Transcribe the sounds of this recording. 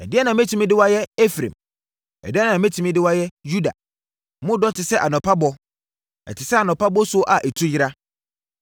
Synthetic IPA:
ɛ̰˨dɪ˦ɛ˦nã˨mẽ˦tʰĩ˨mĩ˦dɪ˦wa˦jɛ˦ɛ˦fɾḛ̃˨m | ɛ̰˨dɪ˦ɛ˦nã˨mɛ̃˦tʰi˨mĩ˦dɪ˦wa˦jɛ˦ju˦da̰˨˦ | mʊ̃˦dɔ˦tʰɪ˨sɛ˦ʔa˨nɔ̃˨pʰa˦bɔ˦ | ɛ̰˨tʰɪ˨sɛ˦a˨nɔ̃˨pʰa˦bɔ˦sʊ˦ʔa˨ʔe˨tʰu˦jɪ˦ɾa˦

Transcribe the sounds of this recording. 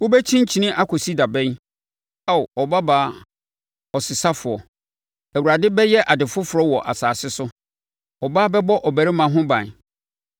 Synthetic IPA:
wʊ˦bɛ˦t͡ɕʰĩ˦n̩˦t͡ɕʰĩ˨nɪ̃˦ʔa˦kʰɔ˨si˦da˨bɛ̃˦n | a˦˨wɔ˨ba˦baː˨˦˨ | ɔ˨sɪ˨sa˦fʊ˨ɔ˨ | æ˨wu˨ɾa˨dɪ˦bɛ˦jɛ˦ʔa˨dɪ˨fʊ˦fʊ˨ɾɔ˦wɔ˨ʔa̰˨saː˨sɪ˦sʊ˦ | ɔ˨ba˦bɛ˦bɔ˦ʔɔ˨bæ˨ɾɪ˦mã˨ɦʊ̃˦bã˨

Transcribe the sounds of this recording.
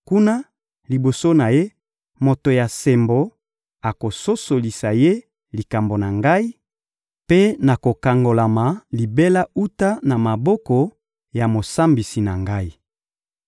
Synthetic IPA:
ku˦na˦ | li˨bo˨so˦na˨je˦ | mo˨to˨ja˨se˨mbo˨ | a˨ko˨so˦so˨li˨sa˨je˦ | li˨ka˨mbo˨na˨ŋɡa˦i˦ | pe˦na˨ko˨ka˨ŋɡo˨la˨ma˨li˨be˦la˦u˦ta˦na˨ma˨bɔ˦kɔ˨ | ja˨mo˨sa˦mbi˨si˨na˨ŋɡa˦i˦

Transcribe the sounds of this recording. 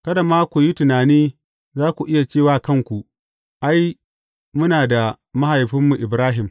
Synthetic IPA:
kɐ˦da˨maː˦kʷu˨ji˦tʊ˨naː˨niː˦ | zaː˦kʷu˨ʔɪ˦ja˨t͡ʃeː˦˨waː˦kɐ˦ŋkʷu˨ | ʔa˦j | mʊ˦naː˨da˨ | ma˦ha˨jɸɪ˦mːu˨ʔɪ˨bɾaː˦ɦɪ˨m

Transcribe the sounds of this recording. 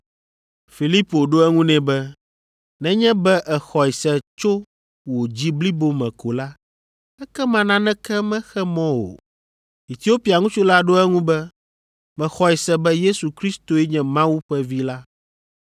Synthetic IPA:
fi˨li˦po˨ɖo˦ɛ˦ŋũ˦nɛ̃˨bɛ˦ | nɛ̃˦ɲɛ̃˦bɛ˦ʔɛ˨xɔ˨i˨sɛ˨t͡ʃo˦ | wo˨d͡ʑi˦bli˦bo˦mɛ̃˨ko˨la˦ | ɛ˦kɛ˦mã˨nã˦nɛ̃˦kɛ˦mɛ̃˦xɛ˦mɔ̃˦wo̰˨ | i˨t̪i˨o˦pi˨a˨ŋũ˦t͡ʃo˦la˦ɖo˦ɛ˦ŋũ˦bɛ˦ | mɛ̃˨xɔ˨i˨sɛ˦bɛ˦je˦su˨kɾi˦st̪o˨ɛ˦ɲɛ̃˦mã˦wu˦ɸɛ˦vi˦la˦

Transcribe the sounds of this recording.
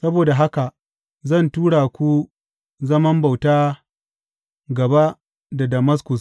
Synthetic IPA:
sɐ˦boː˨da˨ɦa˦ka˨ | zɐ˦˨ntuː˦ɽaː˨kʷu˦ | zɐ˦mɐ˦mba˨wtaː˦ | ɡɐ˨ba˦ | da˨dɐ˨mɐ˦s̬kʊ˨s

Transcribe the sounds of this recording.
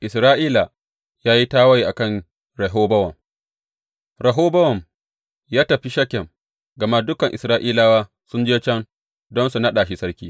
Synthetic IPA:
ʔɪ˨sɾaː˦ʔiː˦la˨ | jaː˦ji˦taː˦wɐ˦jʔa˨kɐ˦˨ŋ | ɾɐ˨ɦoː˦bɐ˦wɐ˨m | ɾɐ˨ɦoː˦bɐ˦wɐ˨m | jaː˦tɐ˨ɸi˦ʃɐ˦kʲːɛ˨ŋ | ɡɐ˨ma˦dʊ˦kɐ˨ŋʔɪ̰˨sɾaː˦ʔiː˦laː˦waː˦ | sʊ˦nd͡ʒeː˦t͡ʃɐ˦ŋ | dɔ˦nsu˨nɐ˦ɗaː˨ʃ̬i˦sɐ˦ɽkʲḭː˦

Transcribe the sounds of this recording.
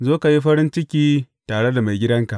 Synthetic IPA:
zoː˦ka˨ji˦ɸɐ˦ɾɪ˦nt͡ʃɪ˦kʲiː˦ | taː˨ɽe˦da˨ma˨jɡʲɪ˦dɐ˦ŋka˨ʔ

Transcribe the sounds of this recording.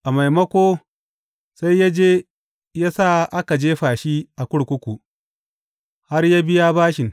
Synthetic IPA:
ʔa˨ma˨jmɐ˦kʷoː˦ | sa˦jja˦d͡ʒeː˦ | jaː˦sa˦˨ʔa˦ka˨d͡ʒeː˦ɸaː˨ʃi˦ʔa˨kʷʊ˦ɽkʷʊ˦kʷu˨ | ha˦rjaː˦bɪ˦ja˦baː˦ʃɪ˨ŋ

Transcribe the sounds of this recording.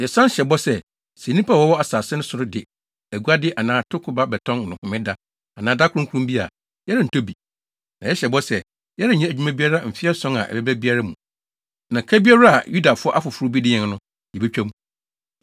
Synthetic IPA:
jɛ˨sã˦ɕɛ˨bɔ˦sɛ˦ | sɛ̃˨nĩ˦pʰa˦˨wɔ˦wɔ˦a˨saː˨sɪ˦nʊ̃˦sʊ˨ɾʊ˦dɪ˨ | æ˨ɡu˦a˦dɪ˦ʔa˨nãː˨˦tʰʊ˦kʰʊ˨ba˦bɛ˨tʰɔ̃˦n˨nʊ̃˨hʊ̃˨mɪ̃˦da˦ | a˨nãː˨˦da˦kʰʊ˦ɾʊ̃˦ŋkʰu˦ɾũ˦mbi˦a̰˨ | jɛ˦ɾɪ˨n̩˨tʰo˦bi˨ | nã˨jɛ˦ɕɛ˨bɔ˦sɛ˨ | jɛ˦ɾɪ˦˨ɲɛ̃˦æ˨d͡ʑᶣu˦mã˦bi˦a˦ɾa˦m̩˨fɪ˦ɛ˦sɔ̃˦na̰˨ʔɛ̰˨bɛ˦bæ˦bi˦a˦ɾa˦mṵ̃˨ | nã˨kʰæ˦bi˦a˦ɾa˦a˨ju˦da˨fʊ˦ɔ˦ʔa˦fʊ˨fʊ˨ɾʊ˦bi˦dɪ˦ɲɛ̃˨ŋ˦nʊ̃˦ | jɛ˨bɛ˦t͡ɕᶣa˦mũ˦

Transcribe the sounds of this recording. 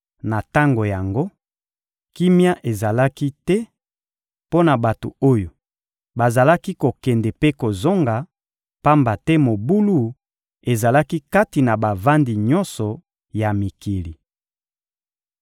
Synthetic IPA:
na˨ta˦ŋɡo˨ja˨ŋɡo˦ | ki˦mja˦ʔe˨za˨la˦ki˦tɛ˦ | po˦na˨ba˨to˨o˦jo˨ | ba˨za˨la˦ki˦ko˨kɛ˨ndɛ˨pe˦ko˨zo˦ŋɡa˨ | pa˦mba˨tɛ˦mo˨bu˦lu˦ | e˨za˨la˦ki˦ka˦ti˨na˨ba˨va˦ndi˨ɲɔ˦nsɔ˨ | ja˨mi˨ki˨li˨

